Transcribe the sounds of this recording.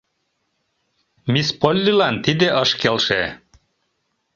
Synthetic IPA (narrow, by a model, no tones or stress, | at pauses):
mispolʲːilɑnt̪id̪ɘʔɤʃkelʲˠʃe